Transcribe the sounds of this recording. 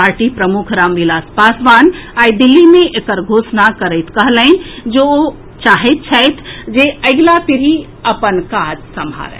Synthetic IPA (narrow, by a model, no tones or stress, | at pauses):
aːɾʈipɾɐmʊkʰɾaːmʋilaːspaːsʋaːnaːjd̪ɪlːimẽʔekəɾɡʱoːsnakəɾəɪt̪ʰkɐɦlə̃nd͡ʒoːo | t͡ʃaːɦet̪̚t͡ʃʰɛjt̪ʰd͡ʒeːɐɡlapɪɾi | ɐpənkaːd͡ʒsɐmʱa̰ːɾɛ̰ː